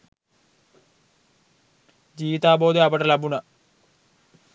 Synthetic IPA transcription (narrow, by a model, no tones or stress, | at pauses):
d͡ʑiːʋit̪aːbo̞ːd̪eabɐʈɐlɐbunɐ